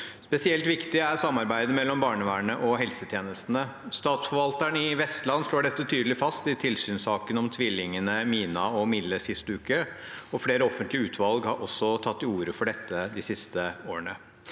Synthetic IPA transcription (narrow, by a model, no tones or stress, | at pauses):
spɛsɪɛlt̪ʋɪkt̪ɪæɾsɑmːɑɾbæɪd̪əmɛlːɔmbɑːɳəʋæːɳəʔɔɦɛlsət̪ʰjeːnəst̪nəst̪ɑːt̪sfɔɾʋɑlt̪æɳɪʋɛst̪lɑnːʂɭoːɖɛt̪ːət̪ʰyːd̪əlɪfɑst̪ɪt̪ʰɪlsyːnsɑːkənɔmt̪ʰʋɪlːɪŋənəmiːnɑɔmɪlːəsɪst̪əʉːkəɔfleːɾəɔfənt̪lɪəʉːt̪ʰʋɑlɡhɑɾʔɔsːɔt̪ʰɑt̪ːɪuːɾəfɔɖɛt̪ʰːəd̪ɪsɪst̪ʰəoːəɳə